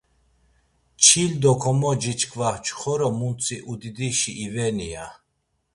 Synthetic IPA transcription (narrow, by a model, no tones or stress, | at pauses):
t͡ʃʰild̪ɔkʰɔmɔd͡ʒit͡ʃʰkʰvaht͡ʃʰχɔɾɔmunt͡sʰʼiʔud̪id̪iʃiʔːvɛnija